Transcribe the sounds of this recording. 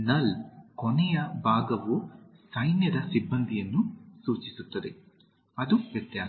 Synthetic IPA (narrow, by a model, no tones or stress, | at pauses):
nɐlkonɛjɐbʱaːɡɐʋusɐjnjɐd̪ɐsibːɐnd̪ʱijɐnːusuːt͡ʃisut̪ːɐd̪e̞ | ɐd̪uʋjɐt̪jaː